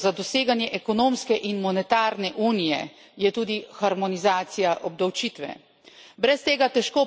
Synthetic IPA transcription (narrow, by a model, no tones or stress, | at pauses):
zad̪ɔseːɡanjɛʔɛkɔnoːmskɛʔinmɔnɛt̪aːɾnɛʔuːnijɛ̰ | jɛt̪uːd̪ixaɾmɔnizaːt̪sijaʔɔb̚d̪awt͡ʃiːt̪ʋɛ̰ | bɾɛst̪eːɡat̪ɛʃkoː